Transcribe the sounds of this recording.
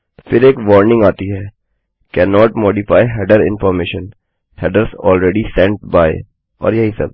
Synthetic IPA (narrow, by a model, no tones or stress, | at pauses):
fɪɾeːkʋɔːɾnɪ̃ŋɡaːt̪iɦɛː | kɛːnɔːʈmoːɖɪfaːɪɦɛːɖəɾɪ̰̃nfɔːɾmeːʃə̃n | hɛːɖəɾsɔ̰ːlɾɛːɖisɛ̃ɳʈ̚baːɪ | ɔ̰ːɾjɐɦisɐ̰b